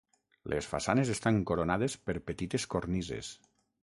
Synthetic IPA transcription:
lʔḛsfa̰sanezest̪aŋkoɾonað̞espeɾpət̪it̪eskoɾnizḛs

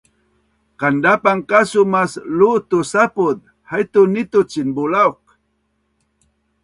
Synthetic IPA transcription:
kandapaŋkasumaslut̪usapʊd̪̚ | hajt̪ʊnit̪ʊt͡ʃinbulaok̚

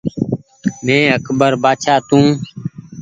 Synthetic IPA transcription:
mẽːəkʰbəɾbaːt͡ʃʰaːt̪ũː

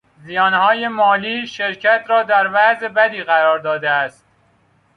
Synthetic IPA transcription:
zijɒːnhɒːje̞mɒːliːʃe̞ɾcʰæt̪ʰɾɒːd̪æɾvæzebæd̪iːɣæɾɒːɾd̪ɒːd̪eæst̪̚

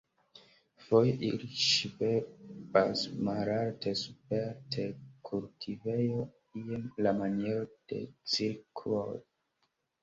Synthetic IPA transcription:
fojʔiliʃvebasmaɾaltʰesupeɾtʰekʰultʰive̞jo | iemlamaneɾod̥e̞̰t͡silkʰlo̰j

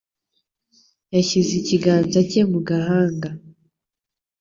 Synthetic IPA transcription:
jaçiziciɡaːnzacemuɡaɦaːŋɡa

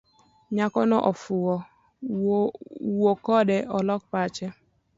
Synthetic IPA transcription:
ɲakɔnɔʔɔfʊwɔ | wokɔdɛʔɔlɔk̚pat͡ʃɛ

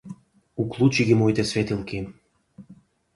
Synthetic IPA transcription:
uklˠut͡ɕiɡimojt̪esvʲet̪ilˠkem

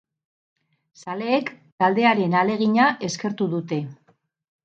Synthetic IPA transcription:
sale̞ːkt̪ald̪e̞aɾe̞nale̞ɣ̞iɲaʔe̞ske̞ɾt̪uðut̪e̞

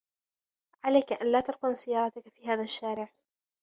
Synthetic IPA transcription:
ʕalajkaʔanlaːt̪ɑɾˤqʊnsɪjːɑːɾˤɑt̪akafiːɦaːðaʃːaːɾɪʕ

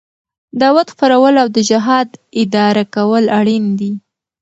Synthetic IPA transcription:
d̪ɑwat̪xpaɾawəlawd̪əd͡ʒɪɦɑd̪ɪd̪ɑɾakawəlaɽind̪i

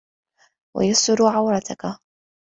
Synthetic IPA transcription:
wa̰jasʊɾʕawɾˤɑt̪ʰaka

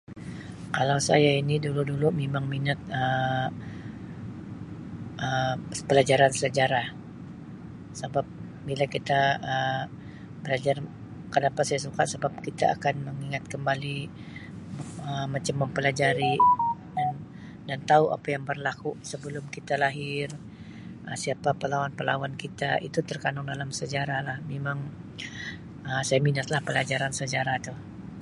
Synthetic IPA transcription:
kalawsa̰jainiduludulumemaŋminat̪̚ə | ʔəpəlad͡ʒaɾansəlad͡ʒaɾah | səbap̚ | bilakit̪aə | bəlad͡ʒar | kənapasajasukatsəbap̚kit̪a̰a̰kanməŋiŋat̪̚kəmbali | əmat͡ʃamːəmpəlad͡ʒaɾidan | dant̪auʔa̰pajaŋbərlakusəbəlʊmkit̪alaɦɪr | ʔəsiapapəlawanpəla̰wankit̪aḭt̪ut̪ərkanʊŋdalamsəd͡ʒaɾalahmemaŋ | əsajaminat̪lahpəlad͡ʒaɾansəd͡ʒaɾat̪u

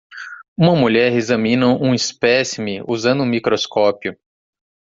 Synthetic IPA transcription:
ũmɐmuʎɛɾezɐ̃mĩnɐ̃ʔũispɛsimiʔuzɐ̃nd̪ʊũmikɾoskɔpjʊ

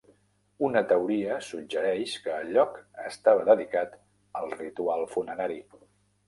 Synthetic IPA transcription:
unət̪əuɾiəsud͡ʒəɾɛʃkəːʎɔkəst̪aβ̞əðəðikat̪ | əlˠrit̪ualˠfunəɾaɾi

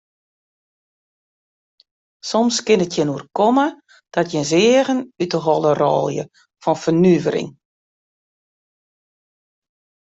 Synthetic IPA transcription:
sɔmskɪnətʰjɪnuərkɔmə | d̥ɔtjɛnzɪəɣənytəɦɔlˠərɔ̰ːlˠjə̰ | fɔnfərnyvəɾɪ̰ŋ

